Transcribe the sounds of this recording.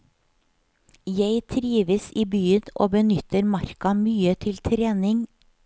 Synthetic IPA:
jeɪt̪ʰɾiːʋəsiːbyːəno̰ːbənʏt̪əɾmɑɾkɑmyːət̪ʰɪlt̪ʰɾeːnɪŋ

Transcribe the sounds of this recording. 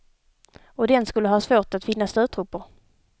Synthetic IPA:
ɔd̪ɛnskɵlːəhɑːsvoːʈat̪fɪnːast̪œːt̪ʰɾʊpːʊɾ

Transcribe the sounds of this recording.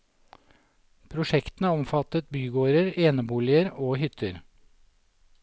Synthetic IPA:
pʰɾʊʃɛkt̪n̩əɔmfɑt̪ət̪̚byːɡoːɾəɾeːnəbuːlɪəɾoːhʏt̪ʰəɾ

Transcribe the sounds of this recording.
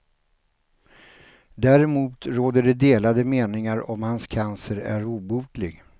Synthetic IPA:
d̪æɾɛmuːt̪ɾoːd̪əɖɛd̪eːlad̪əmeːnɪŋaɾɔmhanskʰansəɾæ̰ɾuːbuːd̪lɪɡ

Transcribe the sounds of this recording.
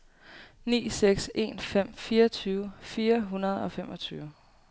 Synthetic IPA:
nḭːseɡ̥se̝ːnfem̰fiːɐt͡sʰyːʊəfiːɐɦunɐð̞ˠɒ̽femʔɒ̽t͡sʰyːʊ

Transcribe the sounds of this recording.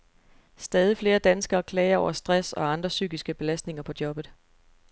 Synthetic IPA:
sd̥ɛːð̞ˠifle̝ːɐd̥ænsɡ̥ɐːkʰlɛːɐɒʊ̰ɐsd̥ʁasɒ̽ɑ̈nd̥ʁɐsy̰ːɡ̥isɡ̥əb̥e̝læsd̥ne̝ŋɐpʰɒ̽d̥jɒ̽b̥ð̞̩ˠ

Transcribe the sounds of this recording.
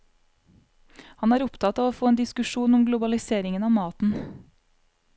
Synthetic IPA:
hɑnæːɾʊpt̪ʰɑt̪ɑːʋoːfoːeːnd̪ɪskʉʃuːnɔmɡlʊbɑlɪseːɾɪŋənɑːmɑːt̪n̩

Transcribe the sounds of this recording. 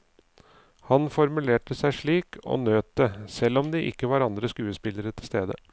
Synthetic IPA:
hɑnfɔɾmʉleːʈəsæɪʂɭiːkʰo̰ːnøːt̪əsɛlːɔmd̪iːʔɪ̰kːəʋɑːɾɑnd̪ɾəskʉːəspɪləɾət̪ʰɪlst̪eːd̪ə̰

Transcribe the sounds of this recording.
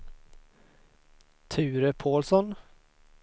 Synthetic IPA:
t̪ʰʉ̟ːɾəpʰoːlsɔn

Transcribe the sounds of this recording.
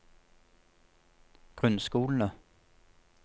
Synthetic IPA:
ɡ̥ʁʉnsɡ̥uːln̩ə

